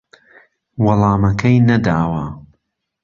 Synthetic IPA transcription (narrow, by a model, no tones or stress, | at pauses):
wɐlˠɑːmɐkʰɐjnɐd̪aːwɐ